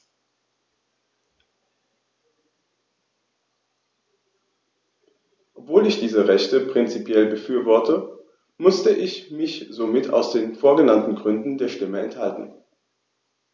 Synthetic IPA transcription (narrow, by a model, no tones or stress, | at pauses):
ʔɔpv̥oːlɪçd̥iːzəʁɛçtəpʁ̥ɪnt͡sipjɛlbəfyːɐvɔɐtə | mʊstəʔɪçmɪçz̥omɪtʰa̰ʊsd̥eːnfoːɐɡənantn̩ɡʁʏndn̩deːɐʃtɪməɛ̰nthaltn̩